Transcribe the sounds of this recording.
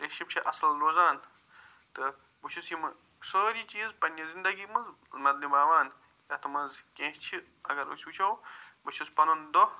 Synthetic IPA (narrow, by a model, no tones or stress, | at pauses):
eʃibt͡ʃʰiʔɐsɐlɾoːzaːn | t̪ɨ | but͡ʃʰusimɨ | səːɾiːt͡ʃiːzpɐnjɐzind̪ɐɡiːmɐzmɐd̪nibaːʋaːn | jat̪ɨmɐnzkẽːɦt͡ʃʰi | ɐɡɐɾṵt͡ʃʰbut͡ʃʰɐwbɨt͡ʃʰuspɐnɐnd̪o